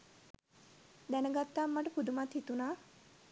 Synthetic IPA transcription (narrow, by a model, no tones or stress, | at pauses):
d̪ænəɡat̪ːaːmːaʈəpud̪umat̪hit̪unaː